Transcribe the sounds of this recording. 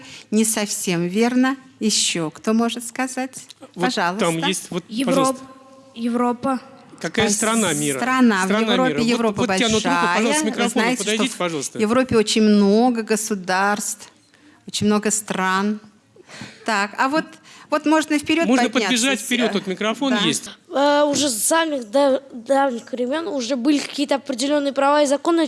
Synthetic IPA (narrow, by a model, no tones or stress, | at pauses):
nʲɪsɐfsʲe̞mvʲe̞rnəjɪɕːo̞kt̪o̞mo̞ʐɨt̪skɐzatʲvɐʐalˠəamjesʲtʲvot̪jɪpɐo | jɪvɾopə | kɐkajəst̪ɾɐnamʲisɾət̪ɾɐnavjɪvɾoɪjɪvɾopəbɐlʲɐnʂoʂajəmɪɾznnajɪtəɪd̪ʂjd̪t̪oipɐʐɑlˠst̪vjɪvɾo̞pʲɪo̞t͡ɕɪnʲmno̞ɡəɡəsʊd̪arst̪f | ot͡ɕɪnʲmno̞ɡəst̪ɾan | t̪akavo̞t̪vo̞t̪mo̞ʐnəfpʲɪɾʲo̞tmoʐpnədpədnabʲɪʐat̪ʲfpʲɪɾʲoot̪mʲɪkɾɐfo̞njesʲtʲəʊʐɛsamʲɪxd̪ad̪avɲʲɪxvɾʲɪmʲo̞nʊʐɛbɨlʲɪkɐ̥kʲijət̪əɐpɾʲɪdʲɪlʲo̞nːɨjəpɾɐvaɪzɐko̞nɨ